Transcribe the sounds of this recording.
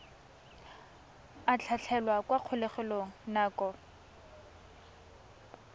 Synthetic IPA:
at͡ɬʰat͡ɬʰɛlwakwaq͡χʰʊlɛχɛloŋ̩naːkɔ

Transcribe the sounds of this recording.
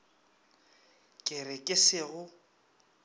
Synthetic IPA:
kʼɪrɪkʼɪsɪɣʊ

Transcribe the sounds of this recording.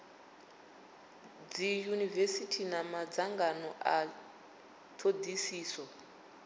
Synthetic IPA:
d͡zijunivesitʰinamad͡zaŋɡanɔʔa | tʰodisiːsɔ

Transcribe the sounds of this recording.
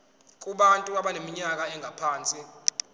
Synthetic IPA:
k̬ʼuɓantʼuaɓanemiɲak̬aɛŋʱapʰaːnt͡sʼi

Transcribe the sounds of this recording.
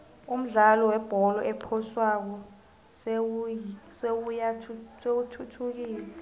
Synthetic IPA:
um̩ɮalɔwɛb̥ʱɔlɔʔɛpʰɔswak̬ɔ | s | sewujasewutʰutʰuk̬iːlɛ

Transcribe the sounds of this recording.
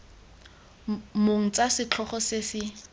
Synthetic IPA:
moŋ̩t͡sasɪt͡ɬʰɔχɔsesɪ

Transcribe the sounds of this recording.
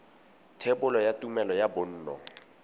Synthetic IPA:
tʰebʊlɔjatʼumɛlɔjabʊn̩ːnɔ

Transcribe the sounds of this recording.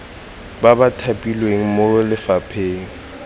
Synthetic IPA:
babatʰapʼilweŋ̩molɪfapʰeːŋ̩

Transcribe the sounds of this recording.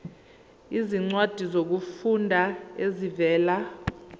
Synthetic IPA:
iziŋ͡ǀwad̥ʱizok̬ufundʱaezivɛːla

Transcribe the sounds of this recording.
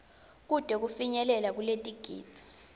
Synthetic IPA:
k̬ud̥ʱʼɛk̬ufiɲɛlɛlak̬uletʼiɡ̥ʱḭːdt͡sʼi̥

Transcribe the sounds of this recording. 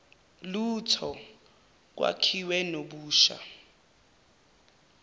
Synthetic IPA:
lutʰɔ | k̬wa̰kʰiwɛnoɓuːʃa̰

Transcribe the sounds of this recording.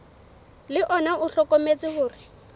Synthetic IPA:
lɪʔɔnaʔʊɬɔkomet͡sɪhʊːrɪ

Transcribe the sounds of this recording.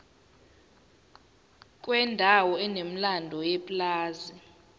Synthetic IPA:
k̬ʼwɛndʱawɔɛnem̩landʱɔjɛpʼlaːzi

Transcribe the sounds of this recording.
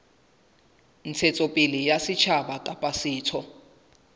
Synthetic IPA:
n̩t͡sʰet͡sʼopʼilijasit͡ʃʰabakʼapʼasiːtʰɔ

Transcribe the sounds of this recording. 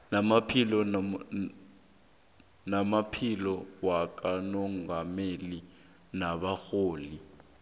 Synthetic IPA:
namapʰilɔ | namapʰilɔwak̬ʼanɔŋɡameli | naɓaxoːli

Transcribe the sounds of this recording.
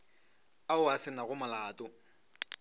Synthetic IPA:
aʊasɪnaɣʊmalaːtʼʊ

